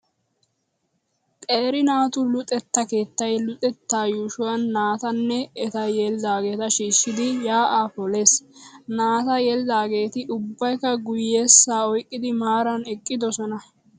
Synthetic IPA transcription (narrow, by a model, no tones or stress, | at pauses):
t̪ʼe̞ːɾɪnaːt̪ʊlʊt̪ʼɛt̪ːɐke̞ːt̪ːɐjlʊt̪ʼɛt̪ːaːjuːʃʊwɐnːaːt̪ɐnːɛɛt̪ɐjeːlɪd̪aːɡe̞ːt̪ɐʃiːʃːɪd̪ɪjaːʔaːpɔle̞ːsnaːt̪ɐjelɪd̪aːɡe̞ːt̪ɪʔʊbːɐjkːɐɡʊjeːsːaːɔjkʼːɪd̪ɪmaːɾɐnɛkʼːɪd̪ɔsɔnɐ